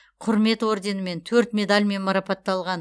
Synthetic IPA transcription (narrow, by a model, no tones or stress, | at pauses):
qʰʊɾme̞t̪wo̞ɾd̪e̞nɪme̞nt̪ʰɵɾt̪mʲe̞d̪alʲme̞nmɑɾɑpɑt̪ːɑlˠʁɑn